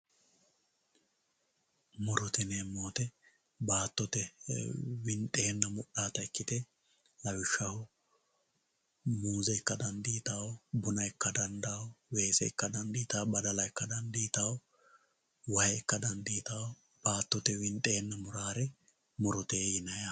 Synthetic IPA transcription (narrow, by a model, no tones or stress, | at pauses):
mʊɾʊt̪ɛneːmːoːt̪ɛ | baːt̪ːɔt̪ɛ | wɪnt̪ʼe̞ːnːɐmʊɗːaːt̪ɐɪkːɪt̪ɛ | lɐwɪʃːɐhʊ | muːzɛɪkːɐd̪ɐnd̪iːt̪awbʊnɐɪkːɐd̪ɐnd̪ɐwwe̞ːsɛ̰ɪkːɐd̪ɐnd̪iːt̪abɐd̪ɐlɐɪkːɐd̪ɐnd̪iːt̪aw | wɐhɛɪkːɐd̪ɐnd̪iːt̪aw | b̥aːt̪ːɔt̪ɛwɪnt̪ʼe̞ːnːɐmʊɾaːɾɛ | mʊɾʊt̪eːjɪnɐjɐ